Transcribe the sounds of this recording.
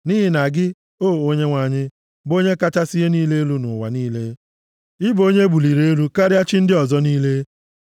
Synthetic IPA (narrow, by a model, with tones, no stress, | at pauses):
ni˦ɦɪ˨na˨ɡɪ˦ | o˦˨o˦ɲe˦ŋʷa˨ɲɪ˦ | bo˦ɲe˦ka˦t͡ʃa˦sɪ˦ɦe˦niː˦le˦e˦lu˦nʊ˨wa̰˨niː˦le˦ | ɪ˦bo˦ɲe˦bu˨li˨ɾe˦e˦lu˦ka˦ɾja˦t͡ʃɪ˦n̩˦dɪ˦ɔ˨zɔ˦niː˦le˦